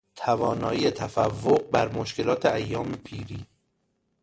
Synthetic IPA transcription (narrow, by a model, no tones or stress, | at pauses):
t̪ʰævɒːnɒ̰ːjiːet̪ʰæfævːoɣ̚bæɾmoʃke̞lɒːt̪ʰeæjːɒːmepʰiːɾiː